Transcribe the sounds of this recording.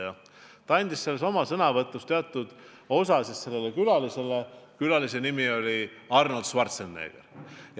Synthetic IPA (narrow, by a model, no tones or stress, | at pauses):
jɑ | t̪ɑɑnʲd̪̥isselːeso̞mɑsɤnɑvɤt̪ːˑust̪e̞ɑt̪ːˑud̪̥ | o̞sɑsisse̞lːelːekylɑlise̞lekylɑlise̞nimio̞lʲiɑrnɑld̪̥svɑrt̪senːḛːɡ̥erj